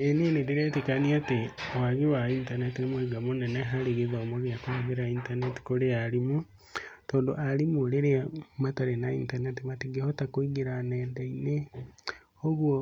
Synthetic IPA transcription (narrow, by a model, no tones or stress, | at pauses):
eninideɾetikaniatewaɣiwaintanetinimoiɡamuneneɦaliɣiðoomoβjakuaβeɾaiːntaneti̥kolealimu | toːndoʔalimuleɾeamataɾenaḭntanetimatiɡehotakuiɡiɾaneːndaine | oɣwo